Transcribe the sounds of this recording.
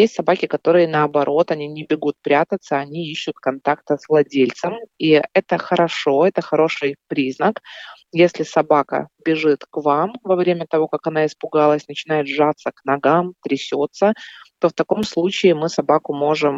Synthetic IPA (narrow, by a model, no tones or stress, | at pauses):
jesʲtʲsɐbakʲɪkɐt̪o̞ɾɨjənɐɐbɐɾʔo̞t̪ɐnʲinʲɪbʲɪɡut̪̚pɾʲat̪ət̪səɐnʲiiɕːʊt̪kɐnt̪ak̚t̪əsvlˠɐdʲelʲt̪səmiɛt̪əxəɾɐʂo̞ɛt̪əxɐɾo̞ʂɨjpɾʲiznəkjesʲlʲɪsɐbakə̰bʲɪʐɨt̪kvamvɐvɾʲemʲət̪ɐvo̞kakɐn̪aɪspʊɡalˠəsʲnət͡ɕɪnajɪt̪ʐat̪sːəknɐɡamt̪ɾʲɪsʲo̞t̪sət̪o̞ft̪ɐko̞mslˠut͡ɕɪːmɨsɐbakʊmo̞ʐɨm